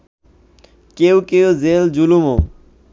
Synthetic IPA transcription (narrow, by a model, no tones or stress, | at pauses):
kewkewzeld͡ʑulumo